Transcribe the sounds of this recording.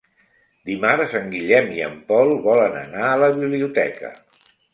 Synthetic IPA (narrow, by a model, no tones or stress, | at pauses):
d̪imaɾəsaŋɡiʎɛmiə̰mpɔlˠβɔlənə̰naələβiβliut̪ɛkə̰